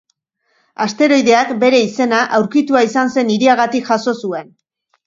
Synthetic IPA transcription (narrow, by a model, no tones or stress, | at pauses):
ast̪e̞ɾo̞jðe̞akbe̞ɾe̞ise̞naʔawɾkit̪uaisanse̞niɾiaɣ̞at̪ikʝaso̞sue̞n